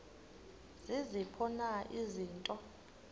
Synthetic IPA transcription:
z̥izipʰɔnaʔiziːntʼɔ

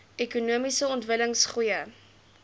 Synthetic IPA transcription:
ekunuəmisəɔntvələŋsχujə

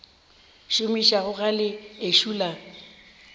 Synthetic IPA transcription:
ʃomiʃaɣʊɣalɪeʃula

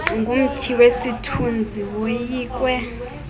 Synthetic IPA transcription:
ŋɡʱum̩tʰiwesitʰund͡zʱiwojiːk̬ʼwɛ

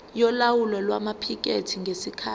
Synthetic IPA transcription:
jɔlawulɔlwamapʰik̬ʼetʰiŋɡʱesikʰaː

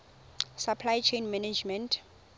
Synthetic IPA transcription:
sapʰlajt͡ʃʰejnmɛnɛd͡ʒmɛntʰ

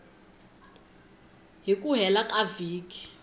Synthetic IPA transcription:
ɦikʼuɦɛlakʼaviːkʼi̥

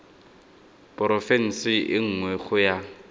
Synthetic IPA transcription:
pʼʊɾɔfɛn̩sɪʔɪŋ̩ŋwɛχʊja

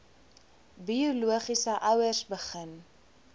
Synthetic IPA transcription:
biuluəχisəʔɐwərsbəχən

